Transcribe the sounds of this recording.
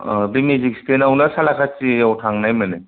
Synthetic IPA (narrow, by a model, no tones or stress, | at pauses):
bimizikstenawnasalakʰat͡ʃiawtʰaŋnajmɯnɯ